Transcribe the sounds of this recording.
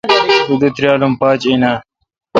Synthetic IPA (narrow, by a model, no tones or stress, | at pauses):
bud̪ut̪ɾjaːlumpaːt͡ɕena